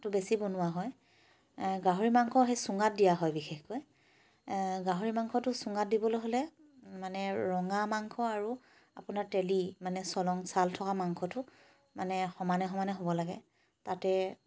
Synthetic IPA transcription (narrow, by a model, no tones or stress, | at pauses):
tʊbesibonʊwaɦɔj | ɡaɦoɹimaŋkʰɔɦejsʊŋɡat̚dijaɦɔjbixexkoj | ɡaɦoɹimaŋkʰɔtʊsʊŋɡat̚dibɔlojɦolɛ | manɛɹɔŋamaŋkʰɔaɹu | a̰pʊnaɹtelimanɛsɔlɔŋsaltʰɔkamaŋkʰɔtʊ | manɛxɔmanɛɦɔmanɛɦobɔlaɡɛ | tatɛ